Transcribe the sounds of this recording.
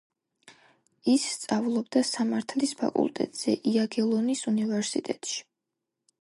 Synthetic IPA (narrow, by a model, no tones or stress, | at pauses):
isːt̪sʼavlˠɔbd̪asamaɾt̪ʰlispʰa̰kʼṵlˠt̪ʼɛ̰t̪ʼz̥ɛʔiaɡɛlˠɔnisunivɛɾsit̪ʼɛt̪ʼʃi̥